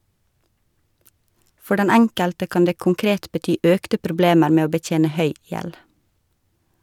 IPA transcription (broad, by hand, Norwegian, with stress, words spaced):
ˈfɔɾ ˈdɛn ˈɛŋkəltə ˈkɑːn ˈdeː kʊŋˈkɾeːt bəˈtyː ˈœktə pɾʊˈbleːməɾ ˈmeː ˈoː bəˈtjeːnə ˈhœʏ ˈjɛl